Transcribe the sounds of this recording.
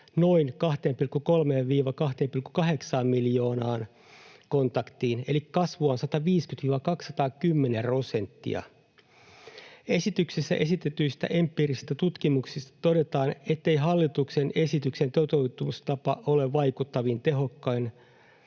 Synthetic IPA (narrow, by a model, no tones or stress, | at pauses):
no̞inkɑht̪eːmpilkːuko̞lmeːʋʋiːʋɑkɑht̪eːmpilkːukɑɦeksɑːmmiljo̞ːnɑːn | ko̞nt̪ɑkt̪iːne̞likkɑsʋuɑnsɑt̪ɑʋiːskyt̪ʋiːʋɑkɑksːɑt̪ɑːkymːenero̞se̞nt̪ːḭɑ̰ | e̞sit̪yksisːæ̰ʔe̞sit̪et̪yjst̪æ̰ʔempːˑiɾist̪æt̪ut̪kimuksist̪ɑ̥t̪o̞de̞t̪ɑːne̞t̪ːe̞jɦɑlːit̪uksene̞sit̪ykse̞nt̪ot̪eut̪umist̪ɑpɑʔo̞leʋʋɑjkut̪ːɑʋint̪e̞ɦo̞kːɑjn